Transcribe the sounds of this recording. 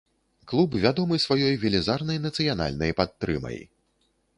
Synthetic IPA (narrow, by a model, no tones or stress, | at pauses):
klˠubvʲad̪ɔmɨsvajɔjvʲɛlʲizarnɐjnɐt̪sɨjana̰lʲnɐjpat̪ːɾɨ̰mɐ̰j